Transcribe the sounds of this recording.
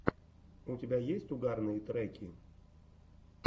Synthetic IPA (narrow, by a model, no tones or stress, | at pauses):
ʊtʲɪbʲajesʲtʲʊɡarnɨjət̪ɾɛkʲɪ